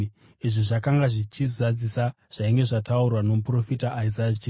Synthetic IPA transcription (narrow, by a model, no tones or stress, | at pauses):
iʐiʐakaŋɡaʐit͡ʃizad͡zisa | ʐ̥aiŋɡe̞ʐataurwano̞mupro̞fitaʔːizait͡ʃː